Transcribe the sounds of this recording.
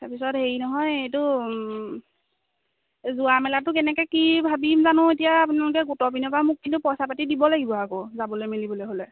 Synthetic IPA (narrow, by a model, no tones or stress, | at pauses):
tapisɔtheinɔɦɔjejtʊ | zuamɛlatʊkɛnɛkɛkibʱabimzanʊ̃etijaːpʊnalʊk̬ɛɡotɔpinɔpamʊkːintupɔsapatidibɔlaɡibɔakozabɔlojmilibɔlojɦolɛ